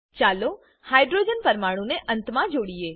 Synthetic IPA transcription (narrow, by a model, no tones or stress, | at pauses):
t͡ʃaːlo | haːjɖɾoːd͡ʒənpəɾmaːɽ̃ũneʔənt̪mãd͡ʒoːɽie